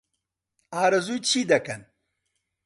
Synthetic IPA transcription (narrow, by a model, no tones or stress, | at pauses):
aːɾɐzujt͡ʃʰiːd̪ɐkɐn